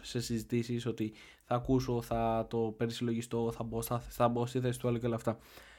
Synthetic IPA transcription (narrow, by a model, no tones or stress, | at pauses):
se̞sizit̪isiso̞t̪i | θɐːkuso̞θɐt̪o̞pe̞ɾisiloʝist̪o̞θɐbosɐθɐbost̪iθe̞si̥t̪uɐloceleɐft̪ɐ